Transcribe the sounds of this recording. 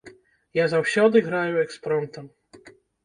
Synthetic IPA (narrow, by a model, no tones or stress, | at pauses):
jazawɕad̪ɨɣɾajɛɛkspɾɔnt̪ɛm